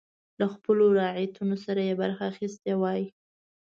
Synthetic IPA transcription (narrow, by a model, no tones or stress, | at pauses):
laxpəloɾɑʕit̪unosaɾajebaɾxaːxist̪eawɑji